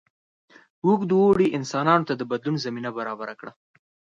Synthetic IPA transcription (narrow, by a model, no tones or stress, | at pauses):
wukd̪uwoɽiʔɪnsɑnɑnot̪ad̪əbad̪lunzaminabaɾɑbaɾakɽa